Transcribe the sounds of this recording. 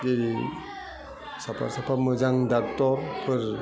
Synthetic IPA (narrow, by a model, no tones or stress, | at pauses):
ɡeɾi | sapʰa̰ɾsapʰamɯzaŋdak̚tɔɾpʰɯɾ